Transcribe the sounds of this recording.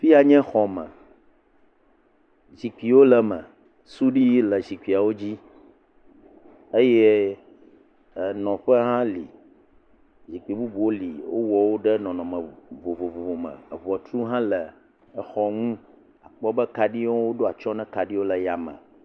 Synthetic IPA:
fi˦a˨ɲɛ̃˦xɔ˨mə̰̃˨ | zi˨k͡pi˨wo˦lə˨mə̰̃˨ | su˦ɖi˦ji˦lə˨zi˨kʷi˨a˨wo˦d͡ʑi˦ | e˦jɛ˦˨ | nɔ̃˨ɸə˦ɦã˦lḭ˨ | d͡ʑi˨k͡pi˨bu˦bu˨wo˦li˨wo˦wɔ˨wo˦ɖɛ˦nɔ̃˨nɔ̃˨mə̃˨vo˨vo˨vo˨vo˨mə̰̃˨vɔ˨t̪ɾu˦ɦã˦lə˨ | ɛ˦xɔ˦ŋũ˦ | a˨k͡pɔ˦bə˦ka˨ɖi˦o˦wo˦ɖo˦a˨t͡ʃɔ˦nɛ̃˦ka˨ɖi˦wo˦lə˨ja˨mə̰̃˨

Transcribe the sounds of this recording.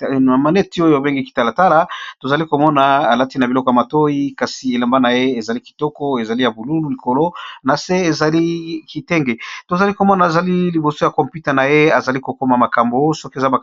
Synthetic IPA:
a˨ma˨ne˦ti˦o˦jo˨a˨be˦ŋɡi˦ki̥˨ta˦la˨ta˦la˦to˨za˨li˦ko˨mɔ˦na˨a˨la˦ti˦na˨bi˨ɔ˦kɔ˨ja˨ma˨to˦i˦ka˨si˨e˨la˨mba˦na˨je˦e˨za˨li˦ki̥˨tɔ˦kɔ˦e˨za˨li˦ja˨bu˨lu˦lu˨li˨ko˨lo˦na˨se˦e˨za˨li˦ki˨tɛ˦ŋɡe˨to˨za˨li˦ko˨mɔ˦na˨za˨li˦li˨bo˨so˦ja˨kɔ˨mpju˦tɛ˨na˨je˦a˨za˨li˦ko˨ko˦ma˨ma˨ka˨mbo˦sɔ˦ke˨za˦ba˨

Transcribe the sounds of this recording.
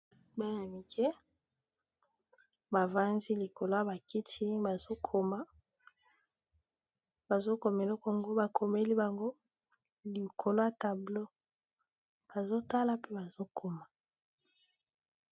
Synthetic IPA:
ba˦a˨mi˨kʰɛ˦ | ba˨va˦ndi˦li˨ko˨lo˦a˨ba˨ki˦tʰi˦ba˨zo˦kʰo˨ma˨ | ba˨zo˦ko˨m˨e˨lɔ˦kɔ˨ŋɡo˦ba˨kʰo˨me˦li˦ba˨ŋɡo˦ | li˨kʰo˨lo˦a˨ta˨blo˦ | b̥a˨zo˦ta˦la˨pe˦ba˨zo˦kʰo˦ma˨

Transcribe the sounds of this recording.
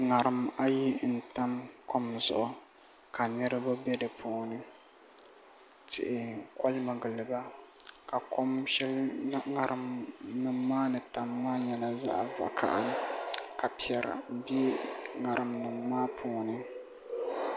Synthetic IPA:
ŋa˨ɾɨ˨ma˦ji˦n̩˨ta˦mko˦mzʊ̰˨ʔʊ˨ | kʰa˨nɨ˦ɾɨ˦ba˦bɛ˦dɨ˨pʰoː˨nɨ˦ | tʰɪ̰˨ʔɪ˨kɔ˦lma˨ɡɨ˨lɨ˨ba˦ka˨kʰo˦mʃɛ˦lŋa˨ɾɨ˨mnɨ˨mːaː˦nɨ˨ta˨mːaː˦ɲɛ˨la˨za̰˦ʔva̰˨kʰa̰˨ʔa˦n˦kʰa˨pi˨ɛ˨ɾ̰bi˦ŋa˨ɾɨ˨mnɨ˨ŋːaː˦pʰoː˨nɨ˦

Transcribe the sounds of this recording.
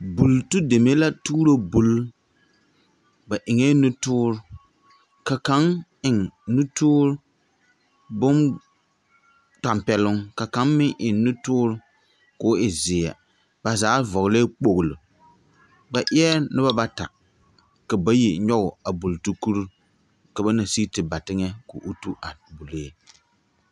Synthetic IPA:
bu˨ltu˦de˨me˦la˦tuː˦ɾo˦bu˦l | ba˨ʔɪ˨ŋɛ˦nʊ˦tʊː˦ɾʊ˦ | ka˨ka˨˦ŋɪ˨ŋnu˦tʊː˦ɾʊ˦ | bʊ˦n | ta˨mpɛ˨lʊ˦ŋka˨ka˨˦nmɪ˦ŋʔɪ˨ŋnʊ˦tʊː˦ɾʊ˦ | kʊ˨˦ʔɪ˨zɪ˨ja̰˨ | b̥a˨zaː˨˦vɔ˨ɣle˦k͡po˨ɣʊ˨lʊ˨ | ba˨ʔɪ˦ɛ˦nɨ˦ba˦ba˦ta̰˨ | ka˨ba˦ji˨ɲɔ˦ɣʊ˨a˨bu˨ltu˦ku˦ɾu˦ | ka˨ba˦na˨si˦tɨ˨ba˨tɪ˦ŋɛ˦kʊ̰˨ʔu˦tu˦ʔa˨bu˨le˦

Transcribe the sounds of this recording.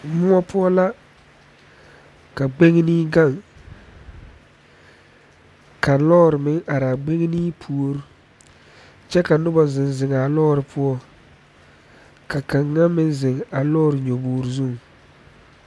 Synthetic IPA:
mʊ˦ɔ˦pʰʊ˦ɔ˦la˦ | ka˨ɡ͡be˦ŋ˦ni˦ɡa˦˨ŋ | kʰa˨lɔː˦ɾɪ˨mɪ˦ŋʔa˨ɾa˨ɡ͡be˦ŋ˦niː˦pʰu˦o˦ɾ | t͡ʃɛ˦ka˨nʊ˦ba˨zɪ˨nzɪ˨ŋa˨lɔː˦ɾɪ˨pʰʊ˦ɔ˦ | ka˨ka˨ŋːa˦mɪ˦nzɪ˨ŋa˨lɔː˦˨ɾɪ˨ɲo˨boː˨ɾɪ˨zu˦˨ŋ

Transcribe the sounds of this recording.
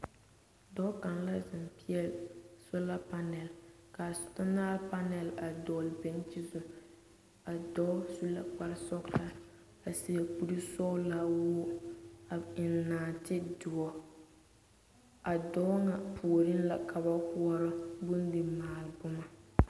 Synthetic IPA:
dɔ˦ka˨nla˦zɪ˨mpi˦ɛ˦˨lsɔ˦la˦pa˦nɛ˨l | ka˨sʊ˨ta˦naː˦lpa˦nɛ˨la˨dɔ˨lbɛ˨n˦t͡ʃi˦zʊ˨ | a˨dɔ˦su˦la̰˨k͡pa˦ɾsɔ˦kta˦ | a˨si˨jɛ˨k͡pu˦ɾi˦sɔ˦ʊ˦la˦wʊ˦a˨ɪ˨nːaː˨tɪ˦dʊ˨ɔ˨ | a˨dɔ˨˦ŋa˨pʰu˨o˨ɾɪ˦nla˨kʰa˨ba˦hu˦ɔ˦ɾɪ˦bʊ˦ndɪ˨maː˨lbʊ˦ma˦

